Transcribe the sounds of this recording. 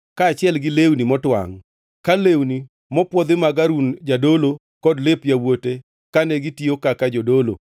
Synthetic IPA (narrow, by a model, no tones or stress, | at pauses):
kaːt͡ʃɪɛlɡɪlewnimɔtwa̰ŋ | kalewni | mɔpwɔd̪ɪmaɡaɾund͡ʒadolo | kɔdlepjawote | kanɛɡɪtiokakad͡ʒodolo̰